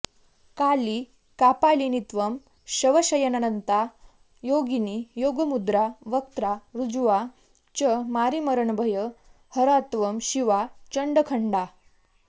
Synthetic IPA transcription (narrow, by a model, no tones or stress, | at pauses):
kali | kapalinit̪ʋəm | ɕəʋəɕəjənanənt̪a | joɡinijoɡəmud̪ɾaʋək̚t̪ɾaɾud͡zuʋa | t͡ɕəmaɾiməɾəɳbʱəjə | həɾat̪ʋəmɕiʋat͡ɕəɳɖəkʰəɳɖa